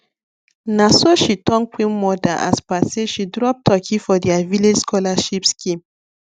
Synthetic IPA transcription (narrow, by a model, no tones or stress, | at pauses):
nasoʃitɔ̃ŋk͡pĩnmɔdaʔa̰spaseʃidɾɔp̚tʰɔkʰifɔdɛaviled͡ʒskɔlaʃipskʰĩm